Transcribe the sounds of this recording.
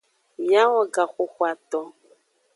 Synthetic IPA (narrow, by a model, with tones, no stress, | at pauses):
mĩ˨a˦wɔ˨ɡa˨xo˨xwa˨t̪ɔ˨